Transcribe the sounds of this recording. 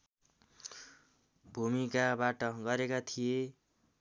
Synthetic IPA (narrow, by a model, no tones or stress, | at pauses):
bʱumikabaʈʌɡʌɾekat̪ʰije